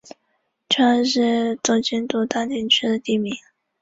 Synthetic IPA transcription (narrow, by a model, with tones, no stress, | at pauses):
t͡ɕʰɛ˥˧ʂɻ̩˥˧t͡so˥˩t͡ɕɛ˥nt̪u˥˧t̪a˥˧t̪i˥˧nt͡ɕʰy˥d̪ə˨t̪i˥˩mi˧˥ŋ